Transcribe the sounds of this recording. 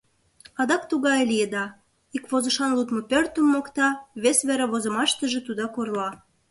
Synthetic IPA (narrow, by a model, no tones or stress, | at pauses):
ɑd̪ɑk̚t̪uɣɑjlijed̪ɑ | ikβozə̆ʃɑnlut̪mopørt̪ə̆mːokt̪ɑβesβeɾeβozə̆mɑʃt̪ə̆ʒĕt̪ud̪ɑkorlɑ